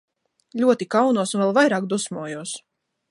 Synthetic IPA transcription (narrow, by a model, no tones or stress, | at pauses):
ʎʲuɔt̪ikawnuːsunvɛlˠvajɾaːk̚d̪usmuɔjuɔs